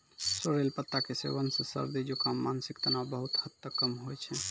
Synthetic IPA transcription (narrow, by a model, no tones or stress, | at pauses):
soɾelpət̪ːakesḛʋənsə̃sə̰ɾd̪id͡ʒokamːansikt̪ənabəɦut̪hət̪ːəkːəmɦojt͡ʃʰɛ